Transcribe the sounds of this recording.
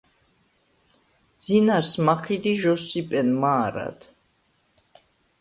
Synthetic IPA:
d̪z̥inaɾsmakʰid̪iʒɔsipʼɛnmaːɾa̰d̪̥

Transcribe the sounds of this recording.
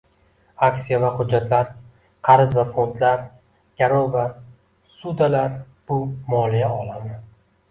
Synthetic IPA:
aksijavahʊd͡ʒːat̪ʰlaɾ | qʰɑɾɪzvafo̞nt̪laɾ | ɡ̥ʲaɾova | sud̪alaɾ | b̥ʊmɒːlijaɒlˠamɪ

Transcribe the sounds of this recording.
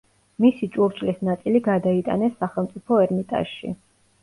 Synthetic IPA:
misit͡ʃʼuɾt͡ʃʼlisnat̪sʼiliɡad̪ait̪ʼa̰nɛsːaχɛlˠmt̪sʼipʰɔɛɾmit̪ʼa̰ʃʃḭ

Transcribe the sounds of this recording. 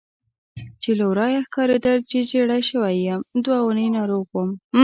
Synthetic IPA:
t͡ʃelawɾɑjaxkɑɾed̪əlt͡ʃed͡ʒeɽajʃəwajamd̪wawunəjnɑɾoɣwom

